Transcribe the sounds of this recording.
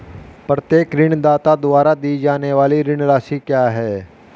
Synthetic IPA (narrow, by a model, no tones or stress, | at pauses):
pɾət̪jeːkɾɪɳ̃d̪aːt̪ad̪ʊʋaːɾad̪iːd͡ʒaːneʋaːliɾɪɳ̃ɾaːʃikjaːɦɛː